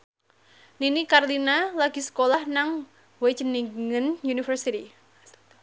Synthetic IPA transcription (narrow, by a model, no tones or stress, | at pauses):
ninikarlinalaɡisə̥kolahnaŋ | wet͡ʃəniŋənjunifərsit̪i